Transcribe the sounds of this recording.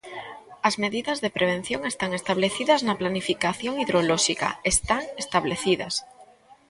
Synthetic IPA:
azme̞ðiðazðe̞pɾe̞β̞e̞n̟θjo̞ŋe̞st̪aŋe̞st̪aβ̞le̞θiðaznaplanifikaθjo̞ŋiðɾoloʃika̰est̪aŋe̞st̪aβle̞θiða̰s

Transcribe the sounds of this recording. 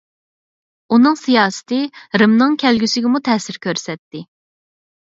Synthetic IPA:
unɨŋsijɑːsɨ̥t̪ʰɪɾɨmnɨŋkʲʰɛlɡʲysɪɡʲɪmut̪ʰɛːsɪɾkʲøɾsɛt̪ːɪ

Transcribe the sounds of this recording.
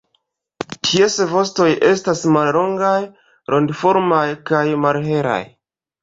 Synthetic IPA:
tʰiesvo̞sto̞jʔe̞stasmalɾo̞ŋɡaj | ɾʔo̞ndfoɾmajkajmalɦe̞ɾa̰j

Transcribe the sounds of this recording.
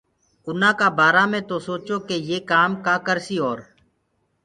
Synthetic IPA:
ʊnãːkaːbaːɾaːmẽːt̪oːsoːt͡ʃoːkeːjeːkaːmkaːkəɾsiːoːɾ

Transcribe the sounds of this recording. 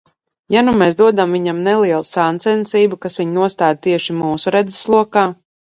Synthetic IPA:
janumɛːzd̪uɔd̪amviɲamnɛlˠiɛlˠusaːnt̪sɛnsiːbukasviɲnuɔst̪aːd̪̚t̪iɛʃimuːsuɾɛd̪zɛ̥slˠuɔkaː

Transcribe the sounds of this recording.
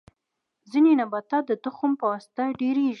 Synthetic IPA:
zinenabat̪ad̪ət̪ʊxʊmpəwast̪aɖeɾeʒ

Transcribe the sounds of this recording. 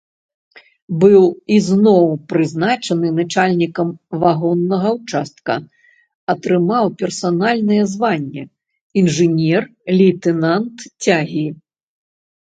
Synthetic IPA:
bɨwiznɔwpɾɨznat͡ʂɐnɨnat͡ʂalʲnʲikɐmvaɣɔnːɐɣɐwt͡ʂast̪̚kɐ̰ | ɐt̪ɾɨmawpʲɛrsanalʲnɐjɛzvanʲːɛ̰ | inʐɨnʲɛrlʲit̪ɛnant̪t͡sʲaɣʲi

